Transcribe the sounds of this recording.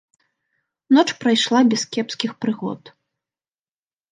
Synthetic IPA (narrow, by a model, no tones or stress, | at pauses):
nɔt͡ʂpɾajʂlˠabʲɛskʲɛpskʲixpɾɨɣɔ̰t̪